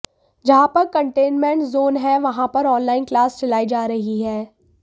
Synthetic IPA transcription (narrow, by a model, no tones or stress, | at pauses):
d͡ʒɐɦãpɐɾkɐ̃ɳʈeːnmẽɳʈzoːnɦɛʋɐɦãpɐɾɔːnlaːɪnklaːst͡ʃɐlaːid͡ʒaːɾɐɦiɦɛː